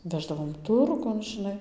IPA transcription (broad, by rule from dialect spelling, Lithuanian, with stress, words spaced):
ˈʋʲæːʒdɐʋoːm ˈtʊrɡʊn ˈʒʲɪnɐɪ